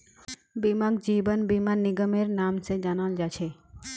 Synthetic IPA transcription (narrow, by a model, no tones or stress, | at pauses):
bimakd͡ʒiːbənbimanɪɡəmeɾnaːmsed͡ʒanald͡ʒat͡ʃʰe